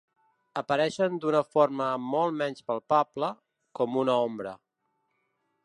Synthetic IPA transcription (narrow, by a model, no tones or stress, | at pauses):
əpəɾɛʃənd̪unəfoɾməmɔlˠmɛnspəlˠpablə | kɔmunəɔmbɾə̰